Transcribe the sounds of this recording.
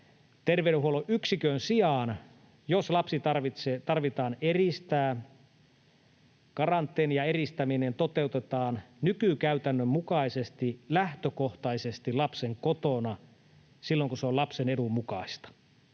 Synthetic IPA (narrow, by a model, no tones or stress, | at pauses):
t̪erʋeːɾeɦuoloʔyksikøːnsiɑn | joslɑpsit̪ɑrʋit̪set̪ɑrʋit̪ɑːnerist̪æː | kɑrɑnt̪ːˑeːnjɑerist̪æminent̪ot̪eut̪et̪ɑːnnykykæyt̪ænːømmukɑisest̪ilæht̪økoht̪ɑisest̪ilɑpseŋkot̪onɑ | silːoŋkuseolɑpsenedumːukɑist̪ɑ̥